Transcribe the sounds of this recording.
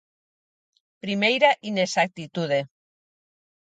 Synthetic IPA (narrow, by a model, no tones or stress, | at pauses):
pɾimejɾaʔinesak̚t̪it̪uð̞e